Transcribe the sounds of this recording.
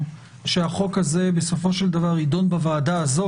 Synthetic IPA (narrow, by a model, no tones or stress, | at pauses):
ʃeaχo̞khaze̞be̞so̞fo̞ʃeld̪avaʁid̪o̞nbavaːdaːzo